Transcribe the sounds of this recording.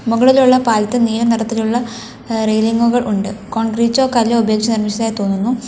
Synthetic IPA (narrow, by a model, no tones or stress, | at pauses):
muɣɐɭiluɭːɐpaːlɐt̪ːɨniːɾɐnɐɾɐt̪ːiluɭːɐ | rejliŋɡuɣɐɭʔuɳɖɨko̞ːɳɡriːt͡ɕːo̞ːkɐlːoubɐjoːk̚t͡ɕɐnirmiɕɐt̪aːjit̪o̞ːnːunːu